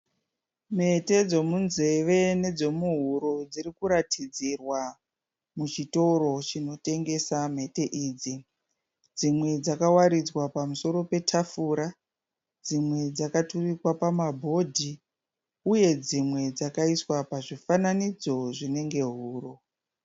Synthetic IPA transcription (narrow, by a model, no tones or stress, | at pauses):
m̤e̞te̞d͡zo̞munze̞ʋe̞ne̞d͡zo̞muɦuɾod͡ziɾikuɾatʰid͡zirwa | mut͡ʃito̞ɾo̞t͡ʃino̞te̞ŋɡe̞sam̤e̞te̞ʔiːd͡zi | d͡zimwe̞d͡zakawaɾid͡zwapamuso̞ɾo̞pe̞tʰafuɾa | d͡zimwe̞d͡zakaturikwapamabʱo̞dʱi | uje̞d͡zimwe̞d͡zakaiswapaʐifananid͡zo̞ʐine̞ŋɡe̞ɦuːro̞